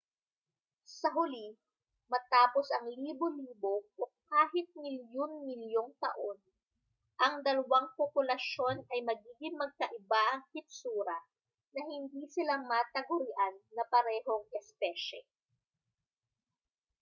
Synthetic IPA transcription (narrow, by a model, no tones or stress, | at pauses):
sɐɦʊli | mɐt̪aːposɐŋliːboliːbo̞ʔokaːɦɪt̪̚mɪljonmɪljo̞ŋt̪ɐ̰ʔo̞n | ʔɐŋd̪ɐlɐwaŋpopʊlɐʃo̞nʔɐjmɐɡiːɡɪŋmɐɡ̚kɐʔɪbaʔɐŋkɪp̪̚suːɾɐ | nɐhɪnd̪isɪlamɐt̪ɐɡʊɾɪʔanːɐpɐɾɛːɦo̞ŋɛspɛʃɛ